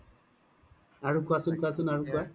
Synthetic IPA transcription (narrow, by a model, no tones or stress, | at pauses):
aɹukuasɯnkuasɯnaɹuka